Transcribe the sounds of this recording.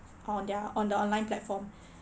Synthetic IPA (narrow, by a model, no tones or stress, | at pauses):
ʔɔ̃ndəɔ̃ndəɔ̃nlãj̃nplɛtfɔ̃m